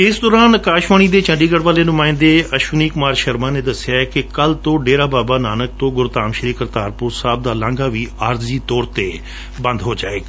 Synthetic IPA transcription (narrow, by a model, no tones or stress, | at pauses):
ɪsd̪ɔːɾaːnkaːʃʋaːɳ̃iːd̪eːt͡ʃə̃ɳɖiːɡəɽʋaːleːnʊmãːɪ̃nd̪eːʔəʃuːniːkʊmaːɾʃəɾmãːneːd̪əsɪjaːɛkɪkəlt̪õːɖeːɾaːbaːbaːnaːnək̚t̪õːɡʊɾt̪aːmʃəɾiːkəɾt̪aːɾpʊɾsaːb̚d̪aːlãːŋɡaːʋiːaːɾziːt̪ɔːɾt̪eː | bə̃nd̪ɦoːd͡ʒa̰ːḛːɡaː